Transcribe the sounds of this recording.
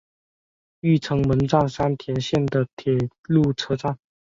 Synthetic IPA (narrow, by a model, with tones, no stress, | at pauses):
y˥˩ʈ͡ʂʰɤ˧˥ŋmə˧˦˥nʈ͡ʂɑ˥˩ŋʂa˥nt̪ʰjɛ˧˥nɕjɛ˥˩nd̪ə˨t̪ʰjɛ˨˩ | lu˥˧ʈ͡ʂʰɤ˥ʈ͡ʂa˥˩ŋ